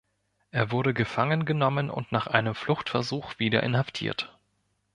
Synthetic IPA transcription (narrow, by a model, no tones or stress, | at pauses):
ʔeːɐvʊɐɾəɡəfaŋənɡənɔmənʔʊ̰ntnaːχʔaɪnəmflʊxtfɛɐzuːxv̥iːdɐ̰ʔɪ̰nhaftʰḭːɐt